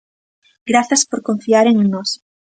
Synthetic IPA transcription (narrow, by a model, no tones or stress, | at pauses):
ɡɾaθɐspoɾkõɱfiaɾeŋenɔs